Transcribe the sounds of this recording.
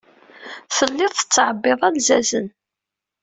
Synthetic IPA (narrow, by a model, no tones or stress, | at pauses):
θəlːɪðˤθə̥t͡sːʕəbːɪðˤælzæzən